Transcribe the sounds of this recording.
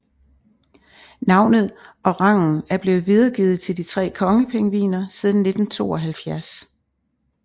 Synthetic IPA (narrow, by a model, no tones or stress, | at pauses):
nɑ̈ʊ̰nð̞̩ˠʔɒ̽ʁɑ̈ŋ̰n̩æɐb̥le̝ːð̩ˠʋið̞ˠɐɡ̥iːð̩ˠt͡sʰe̝ld̥it͡sʰʁɛ̰ːkʰɒ̽ŋəpʰeŋəʋḭːnɐsið̞ˠn̩ne̝d̥n̩t͡sʰo̝̰ːɒ̽ɦælfjæɐs